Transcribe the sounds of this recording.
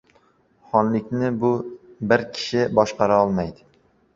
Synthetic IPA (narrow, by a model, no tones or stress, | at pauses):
χɒnlɪk̚ʲnɪbʊbɪɾkʲʰɪ̥ʃɪbɒʃqɑɾaɒlˠmajd̪ɪ